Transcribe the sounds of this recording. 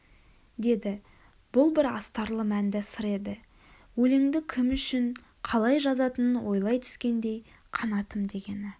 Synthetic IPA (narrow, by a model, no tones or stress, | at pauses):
d̪e̞d̪ɪ | b̥ʊlˠbɪɾɑ̰st̪ɑɾlˠəmænd̪ɪsəɾe̞d̪ɪ | wɵleŋd̪ɪkʲʰɪmʏʃɪɴ | qʰɑlˠɑjʒɑzɑt̪ənənwo̞jlˠɑjt̪ʰʏ̥skʲe̞nd̪e̞j | qʰɑnɑt̪əmd̪e̞ɡʲe̞nɪ